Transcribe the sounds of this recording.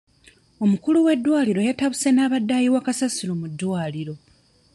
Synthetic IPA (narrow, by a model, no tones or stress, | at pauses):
o̞mukuluwe̞dːwaːliɾo̞jataβuse̞naːβadːajiwakasasulomudːwaːliɾo̞